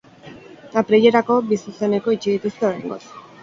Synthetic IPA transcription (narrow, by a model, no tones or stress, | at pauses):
apɾeʎe̞ɾako̞bisuse̞ne̞ko̞it͡ʃið̞it̪ust̪eo̞ɾajŋɡo̞̰t͡s